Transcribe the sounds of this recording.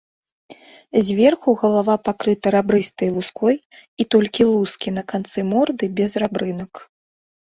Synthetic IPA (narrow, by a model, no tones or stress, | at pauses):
zʲvʲɛrxuɣɐlˠavapakɾɨt̪ɐɾabɾɨst̪ɐjlˠuskɔj | it̪ɔlʲkʲilˠuskʲinɐkant̪sɨmɔrd̪ɨbʲɛzrabɾɨnɐk